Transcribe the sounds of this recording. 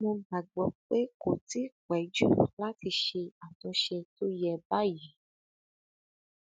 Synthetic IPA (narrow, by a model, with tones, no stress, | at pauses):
mo˧ɡ͡ba˨ɡ͡bɔ˨k͡pe˦ko˨ti˨˦kɛ˨˦d͡ʒu˦la˦ti˧ʃe˧a˨tɔ̃˧ʃe˧to˦jɛ˧ba˦ji˨˦